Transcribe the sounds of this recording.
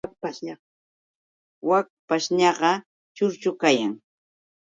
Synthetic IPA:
k̚paʃ | wak̚paʃɲɑɢɑ | t͡ʃʊɾt͡ʃʊkajaŋ

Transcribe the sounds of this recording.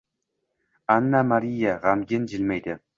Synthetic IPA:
anːamaɾijaʁamɡʲɪnd͡ʒɪlmæjd̪ɪ

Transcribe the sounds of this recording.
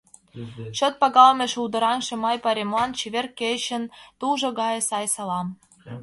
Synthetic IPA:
t͡ɕot̪̚pɑɣɑlmʲeʃuld̪ɤ̆ɾɑŋʃĕmɑjpɑɾʲemlɑnt͡ɕeβʲerkeɕə̆nt̪uʒŏɣɑjɤ̆sɑjsɑlɑm

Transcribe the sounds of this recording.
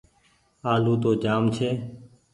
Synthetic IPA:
aːluːt̪oːd͡ʒaːmt͡ʃʰeː

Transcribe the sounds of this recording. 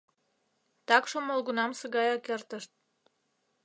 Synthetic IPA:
t̪ɑkʃomolɣunɑmsəɣɑjɑkert̪əʃt̪̚

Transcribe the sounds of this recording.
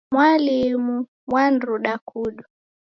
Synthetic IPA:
mwalimu | wan̩ɾuɗakuɗu

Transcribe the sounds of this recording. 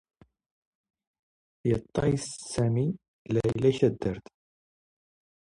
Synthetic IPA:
jət̪ˤːɑ̰jssæmi | læjlæçæd̪ːəɾt̪

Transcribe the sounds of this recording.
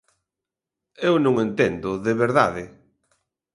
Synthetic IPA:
ewnõŋent̪end̪ʊðeβeɾða̰ðɪ

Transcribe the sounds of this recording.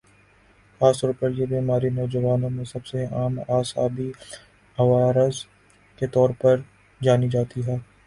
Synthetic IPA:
aːst̪ɔːɾpɐɾjebiːmaːɾinɔːd͡ʒəʋaːnõmẽsɐbseaːmaːsaːbi | ɦɐʋaːɾəz | ket̪ɔːɾpɐɾ | d͡ʒaːnid͡ʒaːt̪iɦɛː

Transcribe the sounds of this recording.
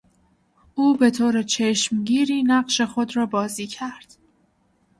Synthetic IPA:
ʔuːbe̞t̪ʰoːɾet͡ʃʰeʃmɟiːɾiːnæɢʃe̞xo̞d̪ɾɒːbɒːziːcʰæɾd̪̥

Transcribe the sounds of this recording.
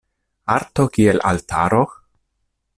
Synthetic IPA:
aɾt̪okielʔa̰lt̪ʰaɾo

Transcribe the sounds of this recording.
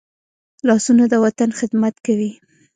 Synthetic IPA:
lɑsunod̪əwat̪anxɪd̪mat̪kawi

